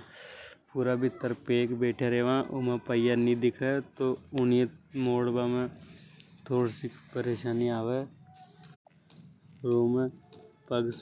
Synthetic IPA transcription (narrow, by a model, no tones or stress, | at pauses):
puːɾabʱɪt̪ːəɾpeːkbeːʈʰeɾeːʋãːʔomẽpəjanid̪ɪkʰet̪oʊnijmoːɽbamẽ | t̪ʰoːɽsipəɾeːʃaːniaːʋe | ɾoːmẽpɐɡs